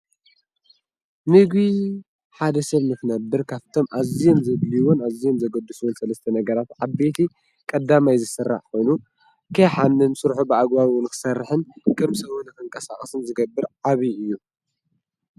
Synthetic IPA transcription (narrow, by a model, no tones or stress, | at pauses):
nɨɡwi | ħad̪ɐsɐβnɨkɨnɐbːɨɾkʰaβt̪ʰo̞mʔazijomzɐβliwonazijo̞mzɐɡɐd̪ːɨsuwunsɐlɐst̪ʰɐnɐɡɐɾat̪ʕaβbe̞t̪ʰi | kʼɐd̪ːamajzɨsɨrːa̰ħkʰo̞jnu | kʰɐjħanːɨnsɨɾħubɨʔaɡwaβwʊnkʰɨ̥sɐrːɨħɨnkʰʼɨmsɐβunɨkɨŋkʼɐsa̰χʼɐsɨmzɨɡɐbːɨɾʕaβiʔɨjːu